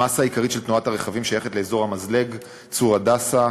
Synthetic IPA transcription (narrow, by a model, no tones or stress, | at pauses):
asaikaʁitʃe̞lt̪nuathaʁeχavimʃajeχetle̞ezo̞ʁhamazle̞ɡ | t͡suʁadasa